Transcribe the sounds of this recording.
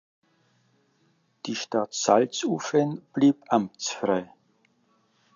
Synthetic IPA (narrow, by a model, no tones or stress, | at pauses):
d̥iːʃtatsalt͡suːfənb̥liːpʔamt͡sfʁaɪ